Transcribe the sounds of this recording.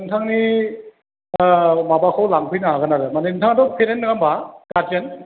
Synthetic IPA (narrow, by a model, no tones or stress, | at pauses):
ɯntʰaŋni | mabakʰɯwlaŋpʰɯjnaaɡɯnaɾɯmanentʰaŋatɔkʰenenːɯɡambakad͡ʒen